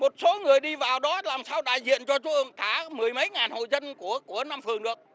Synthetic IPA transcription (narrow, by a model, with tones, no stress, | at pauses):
mo˨˩t̚so˨˦ŋɨ˨˩əjɗi˧vaː˨˩wɗɔ˨˦laː˨˩msaː˧wɗa̰ː˧˨jzḭ˧˨ənt͡ɕɔ˧t͡ɕu˧˦ʔɨ˧˩əŋkaː˧˩mɨ˨˩əjmə˨˦jŋaː˨˩nho̰˧˨jzə˧nku˧˩əku˧˩ənaː˧mfɨ˨˩əŋɗɨ˨˩ək̚